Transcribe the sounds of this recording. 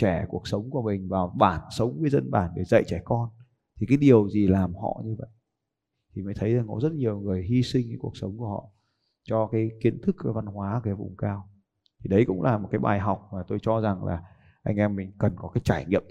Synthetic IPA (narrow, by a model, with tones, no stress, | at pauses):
t͡ɕɛ˧˩ku˨˩ək̚sə˨˦wŋ͡mku˧˩əmï˨˩ŋ̟vaː˨˩wɓaː˧˩nsə˨˦wŋ͡mvəː˨˦jzə˧nɓaː˧˩nɗe˧˩zə̰˧˨jt͡ɕɛ˧˩kɔ˧n | t̪ʰi˨˩kaː˨˦jɗi˨˩əwzi˨˩laː˨˩mhɔ̰˧˨ɲɨ˧və̰˧˨jʔ | t̪ʰi˨˩məː˨˦jt̪ʰə˨˦jza˨˩ŋkɔ̰˨˦zə˦˥t̚ɲi˨˩əwŋɨ˨˩əjɦi˧sï˧ŋ̟kaː˨˦ku˧˩ək̚sə˨˦wŋ͡mku˧˩əhɔ̰˧˨ | t͡ɕɔ˧kaː˨˦jki˨˦ənt̪ʰɨ˦˥k̚va˧nhwaː˨˦kaː˨˦jvʊ̰˨˩ŋ͡mkaː˧w | t̪ʰi˨˩ɗə˨˦jkʊ̰˧˥ŋ͡mlʔaː˨˩mo˨˩t̚kaː˨˦jɓa̰ː˨˩jɦa˨˩wk͡p̚maː˨˩t̪o˧jt͡ɕɔ˧za˨˩ŋla̰ː˨˩ | ʔa˧jŋ̟ʔɛ˧mːï˨˩ŋ̟kə˨˩nkɔ˨˦kaː˨˦jt͡ɕaː˧˩jŋḭ˧əm